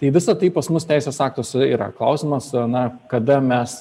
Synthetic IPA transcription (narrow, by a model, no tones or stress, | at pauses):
t̪ɐɪʋʲɪsɐt̪ɐɪpɐsmʊst̪ʲæɪsʲeːsɑːk̚t̪oːsʲɛiːɾɐ̰klˠɐʊsʲɪmɐsɐnɐkɐd̪ɐmʲɛs